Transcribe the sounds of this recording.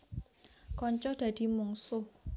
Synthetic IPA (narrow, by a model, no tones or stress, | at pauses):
kɔɲt͡ʃɔhd̪̥ä̤d̪̥i̤muŋsʊ